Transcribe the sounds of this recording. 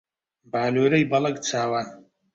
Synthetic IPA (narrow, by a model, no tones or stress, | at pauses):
baːloːɾɐjbɐlɐɡt͡sʰaːwaːn